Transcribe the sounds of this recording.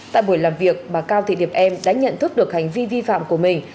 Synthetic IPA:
t̪a̰ː˧˨jɓu˧˩jlaː˨˩mvi˨˩ək̚ɓaː˨˩kaː˧wt̪ʰḭ˧˨ɗi˨˩əp̚ʔɛ˧mɗa̰ː˧˥ɲə̰˧˨nt̪ʰɨ˦˥k̚ɗɨ˨˩ək̚ha˨˩jŋ̟vi˧vi˧fa̰ː˧˨mku˧˩əmï˨˩ŋ̟

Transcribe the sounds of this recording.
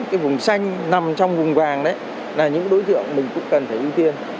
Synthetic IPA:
kaː˨˦jvʊ˨˩ŋ͡msa˧jŋ̟na˨˩mt͡ɕɔ˧wŋ͡mvʊ˨˩ŋ͡mvaː˨˩ŋɗə˨˦j | laː˨˩ɲɨ̰˧˥ŋɗo˨˦jt̪ɨ̰˧˨əŋmï˨˩ŋ̟kʊ̰˧˥ŋ͡mkə˨˩nt̪ʰe˧˩ʔi˧wt̪i˧ən

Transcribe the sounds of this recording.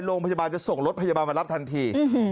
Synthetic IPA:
ɾoː˧ŋpʰa˧jaː˧baː˧nt͡ɕa˨˩so˨˩ŋɾo˦˥t̪̚pʰa˧jaː˧baː˧nma˧ɾa˦˥p̚t̪ʰa˧nt̪ʰiː˧

